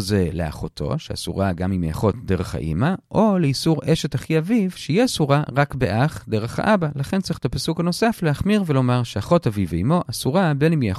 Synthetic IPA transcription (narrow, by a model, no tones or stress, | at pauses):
zelḛa̰χo̞tʰo̞̰ʃea̰sṵʁaɡamimea̰χo̞td̪e̞ʁeχa̰ʔḭmaʔo̞leisuʁeʃe̞thaχiavivʃeijɛsuʁaʁakbeʔaχd̪e̞ʁeχha̰ʔabalaχent͡sʁiχet̪apasukano̞safleaχmiʁvelo̞maʁʃeaχo̞taviveimo̞ʔasuʁabe̞nimjea